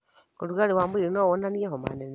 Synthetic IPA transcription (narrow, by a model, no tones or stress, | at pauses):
kuluɣaliwambuɾiɾinowonanijeɦoma̰nen